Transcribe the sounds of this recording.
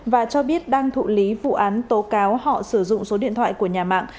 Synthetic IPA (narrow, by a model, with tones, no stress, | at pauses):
vaː˨˩t͡ɕɔ˧ɓi˦˥ət̚ɗaː˧ŋt̪ʰṵ˧˨li˨˦vṵ˧˨ʔaː˨˦nt̪o˨˦kaː˨˦whɔ̰˧˨sɨ˧˩zʊ̰˧˨ŋ͡mso˨˦ɗḭ˧ənt̪ʰwa̰ː˧˨jku˧˩əɲaː˨˩ma̰ː˧˨ŋ